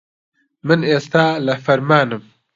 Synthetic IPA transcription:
mɨneːst̪aːlɐfɐɾmaːnɨm

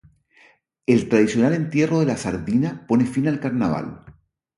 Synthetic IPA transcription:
elt̪ɾaðisjo̞nale̞nt̪je̞roð̞elasaɾðinapo̞ne̞finalkaɾnaβa̰l

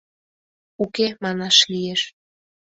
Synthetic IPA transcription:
ukemɑnɑʃlijeʃ

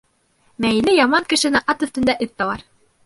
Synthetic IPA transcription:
mæjlɘjɑmɑŋkɘ̆ʃɘ̆nɘʔɑt̪ɵ̆θt̪ɘ̆nd̪æʔɘt̪ːɑwˠɑɾ

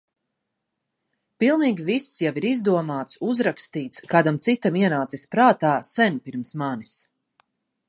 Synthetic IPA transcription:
pilˠniːɡʲivisːjaviɾizd̪uɔmaːt̪suzɾakst̪iːt̪skaːd̪amt̪sit̪amiɛnaːt̪sispɾaːt̪aːsɛnpiɾmsmanis

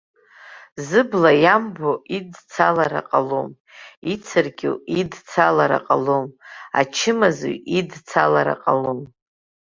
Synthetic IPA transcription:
zɨblajamboidt͡sʰalaɾa̰qʼalom | it͡sʰɨrɡʲiidt͡sʰalaɾa̰qʼaloma̰t͡ʃʰɪmazṵjidt͡sʰalaɾa̰qʼalom

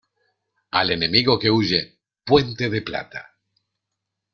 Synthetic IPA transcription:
a̰le̞ne̞miɣo̞ke̞uʝe̞ | pwe̞nt̪e̞ðe̞pla̰t̪a

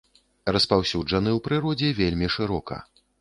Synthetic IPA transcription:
rɐspawsʲuʐɐnɨwpɾɨɾɔd͡zʲɛvʲelʲmʲiʂɨɾɔkɐ̰

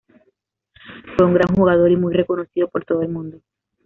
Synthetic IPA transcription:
fwe̞uŋɡɾaŋxuɣ̞að̞o̞ɾimujre̞ko̞no̞θiðopo̞ɾt̪oðe̞lmũnd̪o

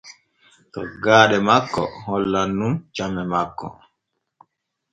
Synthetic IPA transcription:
tɔɡaːɗɛmakːɔ̰hɔlːanːumt͡ʃamɛmakːɔ̰

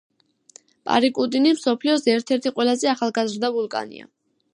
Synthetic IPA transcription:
pʼa̰ɾikʼut̪ʼinimsɔpʰliɔzɛːɾt̪ʰɛɾt̪ʰiqʼwɛlˠazɛaχalˠɡazɾd̪avulˠkʼa̰nḭa̰

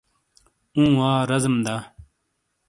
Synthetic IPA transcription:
ũːwaːɾɐzmd̪aː

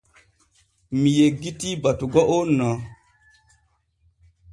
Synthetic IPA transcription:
mĩjeɡitibatuɡɔʔonɔ̃

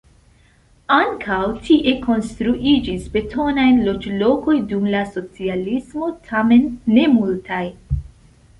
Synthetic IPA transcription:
aŋkʰawtʰiʔeko̞nst̪ɾuʔid͡ʒisbe̞tʰo̞najnlo̞t͡ʃlo̞ko̞jdumlaso̞t͡sialismo̞tʰame̞nːemultaj

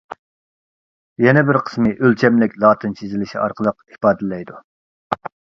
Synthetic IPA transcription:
jɛnɛbɪɾqʰə̥smɨʔølt͡ʃʰɛmlɪkʲlˠɑːt̪ʰɨnt͡ʃʰizɪlɪʃiɑ̰ɾqʰəlˠəqipɑːd̪ɨlɛjd̪u

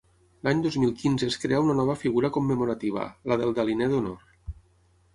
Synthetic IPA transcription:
laɲd̪ozmilˠkinzeeskɾeaunanɔβ̞əfiɣuɾəkumːemoɾat̪iβ̞ə̰laðelˠd̪alineðuno̰ɾ

